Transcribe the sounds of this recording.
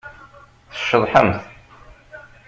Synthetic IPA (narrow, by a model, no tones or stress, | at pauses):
θə̥ʃːəðˤħə̰mθ